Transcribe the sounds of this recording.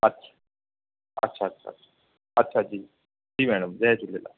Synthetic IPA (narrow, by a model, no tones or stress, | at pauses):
ɐtːɕʰḁ | ɐ̰tːɕʰaɐtːɕʰa̰ɐtɕʰḁ | ɐtːɕʰad͡ʑiː | d͡ʑiːmɛːɽəmzɛt͡ʃulːela̰